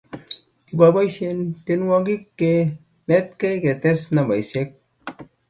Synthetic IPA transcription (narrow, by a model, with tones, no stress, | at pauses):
ti˨ba˨ba˦jse˧nte˧nwa˦ɡi˦kːe˨ | ne˦tke˦ke˨te˦sna˨ba˨jse˦k̚